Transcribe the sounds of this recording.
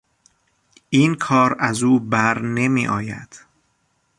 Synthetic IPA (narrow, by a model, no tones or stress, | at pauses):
iːnkʰɒːɾæzuːbæɾne̞miːʔɒːjæ̰d̪̥